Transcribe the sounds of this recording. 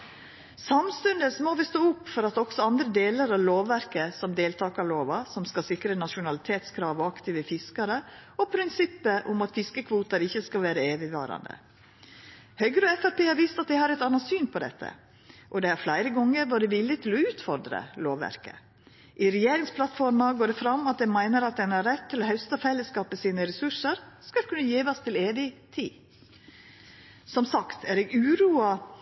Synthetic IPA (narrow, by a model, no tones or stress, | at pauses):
sɑmst̪ʉnd̪əsmoːʋɛst̪oːʊpːfɔɾɑt̪ɔɡ̥sɔɑnd̪ɾəd̪eːləɾɑʋloːʋːæɾkəsɔmd̪eːlt̪ʰɑːkɑɭoːʋɑsɔmskɑsɪkɾənɑʃʊnɑlɪt̪ʰeːt̪skʰɾɑːʋɔɑkt̪iːʋəfɪskɑɾəɔpʰɾɪnsɪpːəʔʊmɑt̪fɪskəkʰʋuːt̪əɾɪçːəskɑʋæːɾəeːʋɪʋɑ̰ːɾɑ̰nd̪ə̰ | hœʏɡɾəɔɛfæɾpeːhɑːɾʋiːst̪ɑt̪̚d̪ɪhɑɾɛt̪ɑnɑsyːnpʰɔd̪ɛ̰t̪ʰːə̰ | ʔɔd̪ɛæɾflæɪɾəɡɔŋːəɾʋod̪ɛʋɪlːɪt̪ʰɪlɔʉːt̪fɔɾd̪ɾə̰loːʋʋæ̰ɾkə̰ | ʔɪɾɛjeːɾɪŋspʰlɑt̪fɔɾmɑɡoːɖ̪ɛfɾɑmɑt̪̚d̪ɛmæɪnəɾɑt̪̚ɛnæɾɛt̪ʰːɪlɔhɑʉst̪ɑfɛlːəskɑːpmɛsiːnəɾɛsʉʂəɾskɑlkʰʉnːəjiːʋɑst̪ʰɪleːʋɪt̪ʰḭː | sɔmsɑkt̪ʰæɾɛɡʉːɾuːɑ